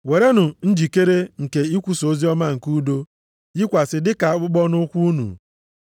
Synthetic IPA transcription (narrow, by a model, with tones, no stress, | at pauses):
we˨ɾe˦nʊ˨n̩˦d͡ʒi˨ke˦ɾe˦ŋ̩˨ke˨i˦kʷu˨so˦zi˦ɔ˦ma˦ŋ̩˨ku˦do˦ | ji˦kʷa˨sɪ˨dɪ˦ka˨˦k͡pʊ˦ɡ͡bɔ˦nʊ˦kʷu˦u˦nṵ˨